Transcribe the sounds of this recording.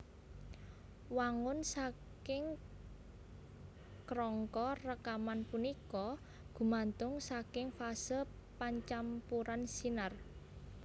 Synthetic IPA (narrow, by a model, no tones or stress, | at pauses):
waŋʊnsa | kɪŋ | kɾɔŋkɔrəkamanpunikɔ | ɡ̥ṳmant̪ʊŋsakɪŋfasəl | paɲt͡ʃampuɾansinar